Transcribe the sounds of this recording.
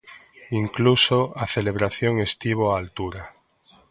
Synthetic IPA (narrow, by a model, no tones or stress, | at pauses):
iŋklusoaθeleβ̞ɾaθjoŋe̞st̪iβ̞oaːlt̪uɾa